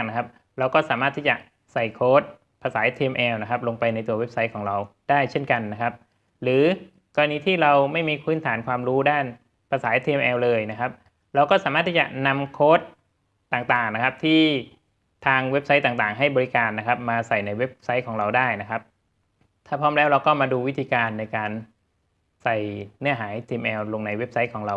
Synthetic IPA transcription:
ŋna˦˥kʰa˦˥p̚ | ɾa˧wkɔː˥˩saː˩˦maː˥˩t̪ʰːiː˥˩t͡ɕa˨˩ | sa˨˩jkʰoː˦˥t̪̚ | pʰaː˧saː˩˦t̪ʰiː˧mʔɛː˧wna˦˥kʰa˦˥p̚lo˧ŋpa˧jna˧jt̪u˧ɐwe˦˥p̚sa˦˥jkʰɔː˩˦ŋɾa˧wd̥aː˥˩jt͡ɕʰe˥˩nka˧nːa˦˥kʰa˦˥p̚ | ɾɯː˩˦ | kɔː˧ɾa˧niː˦˥t̪ʰiː˥˩ɾa˧wma˥˩jmiː˧kʰɯː˦˥nt̪ʰaː˩˦nkʰwaː˧mɾuː˦˥daː˥˩n | pʰaː˧saː˩˦t̪ʰiː˧mʔɛː˧wlɤː˧jna˦˥kʰa˦˥p̚ | ɾa˧wkɔː˥˩saː˨˦maː˥˩t̪ʰːiː˥˩t͡ɕa̰˨˩na˧mkʰoː˦˥t̪̚ː | aː˨˩ŋt̪aː˨˩ŋna˦˥kʰa˦˥p̚t̪ʰiː˥˩ | t̪ʰaː˧ŋwe˦˥p̚sa˦˥jt̪aː˨˩ŋt̪aː˨˩ŋɦa˥˩jbɔː˧ɾi˦˥kaː˧nːa˦˥kʰa˦˥p̚maː˧sa˨˩jna˧jwe˦˥p̚sa˦˥jkʰɔː˩˦ŋɾa˧wdaː˥˩jna˦˥kʰa˦˥p̚ | t̪ʰaː˥˩pʰɔː˥˩mlɛː˦˥wɾa˧wkɔː˥˩maː˧duː˧wi˦˥t̪ʰiː˧kaː˧nːa˧jkaː˧n | sa˨˩jnɯ˥˩ɐɦaː˩˦jt̪ʰiː˧mʔɛː˧wlo˧ŋna˧jwe˦˥p̚sa˦˥jkʰɔː˩˦ŋɾa˧w

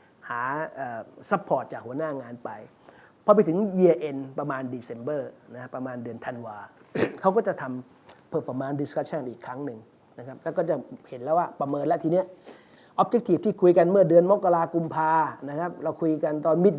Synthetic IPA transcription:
haː˩˦ʔəː˨˩sa˦˥pʰːɔː˨˩t̪̚t͡ɕaː˨˩k̚hu˩˦ənaː˥˩ŋaː˧npa˧j | pʰɔ˧p̬a˧jt̪ʰɯ˩˦ŋjiː˧ʔe˧npɾa˧maː˧ndiː˧se˧mbɤː˥˩na˦˥ka˥pːɾa˧maː˧ndɯ˧ənt̪ʰa˧nwaː˧kʰa˦˥wkɔː˥˩t͡ɕa˨˩t̪ʰa˧m | pʰɤː˧˩pa˧maː˧ndi˧skʰa˦˥t͡ɕʰa˥˩nʔiː˨˩kʰɾa˦˥ŋnɯ˨ŋ | na˦˥kʰa˦˥p̚lɛ˦˥˩kɔː˥˩t͡ɕa˨˩he˩˦nlɛː˦˥˩waː˥˩pɾa˧mɤː˧nlɛ˦˥ʔt̪ʰiː˧ni˦˥˩ɐʔ | ʔɔː˦˥p̚d͡ʑe˦˥k̚t̪ʰi˧˩t̪ʰiː˥˩kʰu˧jka˧nmɯ˥˩ɐdɯ˧ənmo˦˥kːa˧laː˧ku˧mpʰaː˧na˦˥kʰa˦˥p̚ɾa˧wkʰu˧jka˧nt̪ɔː˧nmi˦˥t̪̚

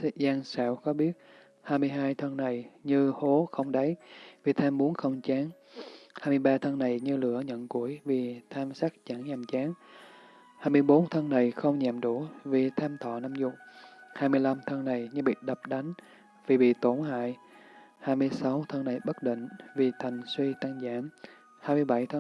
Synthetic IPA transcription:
se˧˩zaː˧ŋsa̰ː˧˩wxɔ˨˦ɓi˦˥ət̚ | haː˧jmɨ˧əjɦaː˧jt̪ʰə˧nna˨˩jɲɨ˧ho˨˦xə˧wŋ͡mɗə˨˦jvi˨˩t̪ʰaː˧mɓu˨˦ənxə˧wŋ͡mt͡ɕaː˨˦ŋ | haː˧jmɨ˧əjɓaː˧t̪ʰə˧ŋna˨˩jɲɨ˧lɨ̰˧˥əɲə̰˧˨nku˧˩əjvi˨˩t̪ʰaː˧msa˦˥k̚t͡ɕa˧˩ŋɲa˨˩mt͡ɕaː˨˦ŋ | haː˧jmɨ˧əjɓo˨˦nt̪ʰə˧ŋna˨˩jxə˧wŋ͡mɲaː˨˩mɗu˧˩˦vi˨˩t̪ʰaː˧mt̪ʰɔ̰˧˨na˧˦mzʊ˨˧˩k͡p̚haː˧jmɨ˧əjla˧mt̪ʰə˧ŋna˨˩jɲɨ˧ɓḭ˧˨ɗə˨˩p̚ɗa˨˦ŋ̟ | vi˨˩ɓḭ˧˨t̪o˧˩nha̰ː˧˨j | haː˧jmɨ˧əjsa˨˦wt̪ʰə˧ŋna˨˩jɓə˦˥t̚ɗḭ˧˨ŋ̟vi˨˩t̪ʰa˨˩jŋ̟swi˧t̪a˧ŋza̰ː˧˥m | haː˧jmɨ˧əjɓa˧˩jt̪ʰə˧

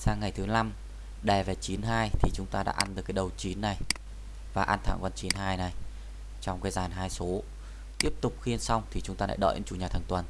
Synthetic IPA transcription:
saː˧ŋːa˨˩jt̪ʰɨ˨˦la˧m | ɗɛ˨˩vɛ˨˩t͡ɕi˨˦nɦaː˧jt̪ʰi˨˩t͡ɕʊ˨˦ŋ͡mt̪aː˧ɗa̰ː˧˥ʔa˧nɗɨ˨˩kːɗə˨˩wt͡ɕi˨˦nːa˨˩j | vaː˨˩ʔa˧nt̪ʰa̰ː˧˩ŋkwa˧nt͡ɕi˨˦nɦaː˧jna˨˩j | t͡ɕɔ˧wŋ͡mkaː˨˦jzaː˨˩nɦaː˧jso˨˦ | t̪i˦˥əp̚t̪ʊ˨˩k͡p̚xi˧ənsa˧wŋ͡mt̪ʰi˨˩t͡ɕʊ˨˦ŋ͡mt̪aː˧la̰ː˧˥jɗə̰ː˧˨jʔə̰˧˦t͡ɕṵ˧˩ɲaː˨˩t̪ʰaː˨˩ŋt̪wə˨˩n

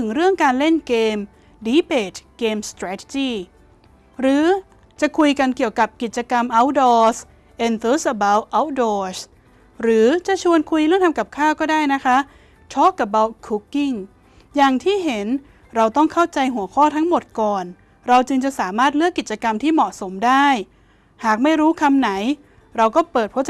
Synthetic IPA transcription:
t̪ʰɯ˩˦ŋɾɯ˥˩əŋkaː˧nle˥˩nkeː˧m | diː˨˦˥peː˨˩t̪̚keː˧mst̪ɾaː˧˥t̪ʰe̥˧t͡ɕiː˥˩ | ɾɯː˩˦ | t͡ɕa˨˩kʰu˧jka˧nki˨˩əwka˨˩p̚ki˨˩t̪̚t͡ɕa˧ka˧mʔa˧˥wdɔː˧s | ʔe˧nt̪ʰɤː˦˥sʔa˧ba˦˥wʔa˦˥wdɔː˧s | ɾɯː˩˦t͡ɕa˨˩t͡ɕʰu˧ənkʰu˧jlɾɯː˥˩ŋʰa˧mka˨˩p̚kʰaː˥˩wkɔː˥˩daː˥˩jna˦˥kʰa˦˥ʔ | t͡ɕʰɔ˦˥kːa˨˩p̚ba˧wkʰu˦˥kːi˥˩ŋ | jaː˨˩ŋt̪ʰiː˥˩ɦe˩˦n | ɾa˧wt̪ɔ˥˩ŋkʰa˥˩wt͡ɕa˧jɦu˩˦ɐkʰɔː˥˩t̪ʰa˦˥ŋmo˨˩t̪̚kɔː˨˩n | ɾa˧wt͡ɕɯ˧ŋt͡ɕa˨˩saː˩˦maː˥˩t̪̚lɯ˥˩kːi˨˩t̪̚t͡ɕa˧ka˧mt̪ʰiː˥˩mɔ˨˩ʔso˩˦mdaː˥˩j | haː˨˩k̚ma˥˩jɾuː˦˥kʰa˧mna˩˦j | ɾa˧wkɔː˥˩pɤː˨˩t̪̚pʰu˥˩

